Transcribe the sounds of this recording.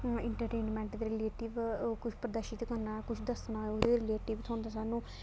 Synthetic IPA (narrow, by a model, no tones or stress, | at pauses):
ɪɳʈəɾʈeːnmɛ̃ːɳʈ̪ɾɪleːʈɪʋkʊt͡ʃʰpɾəd̪əɾʃɪt̪kəɾnaːkʊt͡ʃʰd̪əsnaːʊd̪eːɾɪleːʈɪʋt̪ʰõːnd̪aːsaːnũː